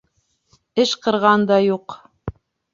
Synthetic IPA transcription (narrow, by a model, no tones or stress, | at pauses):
ɘʃqɤ̆ɾʁɑnd̪ɑjuq